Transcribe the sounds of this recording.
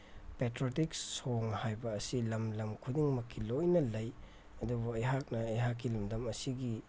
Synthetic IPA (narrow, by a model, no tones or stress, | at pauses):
petɾotiksoŋhajbɐːsilɐmlɐmkʰudiŋmɐkʰːilojnɐlɐj | ɐdubuɐjɦak̚nɐːjɦakːilumdɐmɐsiɡi